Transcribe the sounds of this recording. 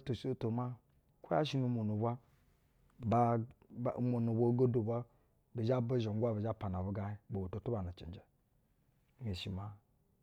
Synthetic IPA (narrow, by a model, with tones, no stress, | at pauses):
to˨ʃo˦to˨ma˦ | ko˦a̰˦ʃi˦nu˦mo˨nu˨bʷa˦ | ba˦˨˦ | mo˨nu˨bʷa˦ɡo˦du˨bʷa˦ | bi˨d͡ʒa˦ba˦ʒo˨ŋ˦ɡʷa˦bi˨d͡ʒa˦pa˨na˨bu˦ɡa˨hi˦bo˨bo˨to˨tu˦ba˨na˨t͡ʃḭ˨nd͡ʒe˨˦ | e˨ʃi˨ma˦